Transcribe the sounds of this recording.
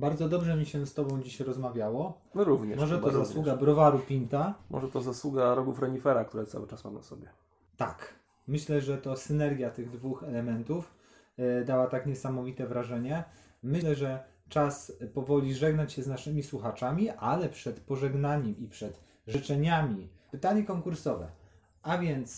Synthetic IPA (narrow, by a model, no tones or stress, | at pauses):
baɾd̪zɔd̪ɔbʐɛmʲiɕɛst̪ɔbɔ̃w̃d͡ʑiɕɾɔzmavʲjawɔ | ɾuvɲɛmɔʐɛt̪ɔzzaswuɡabɾɔvaɾupʲint̪amɔ̰ʐɛt̪ɔzaswuɡaɾɔɡufɾɛɲifɛɾak̚t̪uɾɛt̪sa̰wɘt͡ʂasmamna̰sɔ̰bʲjɛ | t̪a̰k | mɘɕlɛʐɛt̪ɔsɘnɛɾɡʲjat̪ɘɣd̪vuxɛlɛmɛnt̪uf | d̪awat̪akɲɛsamɔvʲit̪ɛvɾaʐɛɲɛ | mɘlɛʐɛ | t͡ʂaspɔvɔlʲiʐɛɡnɔɲt͡ɕɕɛznaʂɘmʲiswuxat͡ʂamʲiʔalɛpʂɛt̪pɔʐɛɡnaɲɛmipʂɛt̪ | ʐɘt͡ʂɛɲamʲipɘt̪aɲɛkɔŋkuɾsɔvɛ̰ | ʔavʲjɛnt̪s